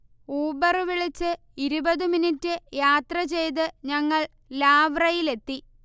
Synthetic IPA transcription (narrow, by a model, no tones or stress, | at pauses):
uːbɐrɨʋiɭit͡ɕːɨ | iɾubɐðɨminitːɨjaːt̪rɐt͡ɕe̞jt̪̬ɨɲɐŋːɐɭ | laːʋrɐjile̞t̪ːi